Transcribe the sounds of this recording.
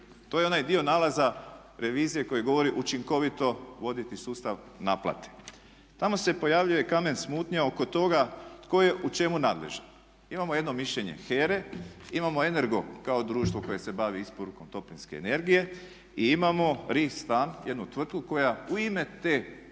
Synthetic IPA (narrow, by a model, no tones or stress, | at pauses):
t̪o̞jeo̞najd̪io̞naːlaza | ɾʔe̞ʋiːzije̞ko̞jeɡo̞ʋo̞ɾiʔut͡ʃiŋko̞ʋit̪o̞ʋo̞d̪it̪isuːst̪aʋ | naplˠa̰t̪e̥ | t̪amo̞se̞po̞jaʋʎujekame̞nsmuːt̪ɲao̞ko̞t̪o̞ɡat̪ko̞je̞ʔut͡ʃe̞munaːd̪lḛʒen | imamoje̞d̪no̞miʃʎe̞ɲe̞̰xeːɾe̞imamo̞e̞ne̞ɾɡo̞kaod̪ɾuːʃt̪ʋo̞ko̞je̞se̞baʋiispoɾuko̞mt̪o̞plinske̞̰ːne̞ɾɡije̞ | iimamo̞ɾist̪aːnje̞d̪nut̪ʋr̩t̪̚kuko̞jauime̞t̪e̞ː